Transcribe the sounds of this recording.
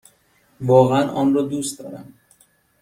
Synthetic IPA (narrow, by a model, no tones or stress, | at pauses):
vɒːɣeænʔɒːnrɒːd̪uːst̪d̪ɒ̰ːɾæ̰m